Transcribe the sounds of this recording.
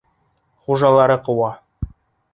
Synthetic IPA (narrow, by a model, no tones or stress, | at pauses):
χuʒɑlˠɑɾɤqɤ̆wɑ